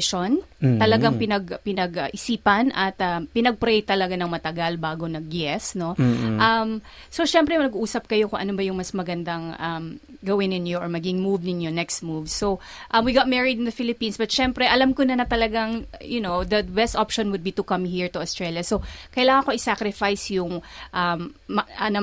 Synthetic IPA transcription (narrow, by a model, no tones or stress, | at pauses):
ʃon | t̪ɐlɐɡaŋpɪnɐɡpɪnɐɡɐʔɪsiːpɐnʔɐt̪ɐpɪnɐɡ̚pɾɛjt̪ɐlɐɡanɐŋmɐt̪ɐɡalbaːɡonɐɡ̚jɛsno̞ʔɐm | soʃɛmpɾɛmɐnɐɡuʔuːsɐp̚kɐjo̞kʊŋʔɐ̰nobɐjʊŋmɐsmɐɡɐnd̪ɐŋɐm | ɡɐwɪnɪ̃njoʔɔɹmɐɡiɡɪŋmuvnɪnjonɛkst̪̚muvsːo | ʔɐmwiɡat̪̚mɛɹɪd̪ɪnd̪ɐfɪlɪpĩnsbɐt̪̚ʃɛmpɾɛʔɐlamkonɐnɐt̪ɐlɐɡaŋjʊnowd̪ɐbɛst̪ʔapʃɔnwʊd̪̚bit̪ʊkɐmhiɹt̪ʊɐst̪ɹɛljɐsokɐjlaːŋɐ̃ŋko̞ʔɪsakɾɪfajsjʊŋʔɐmʔɐnɐ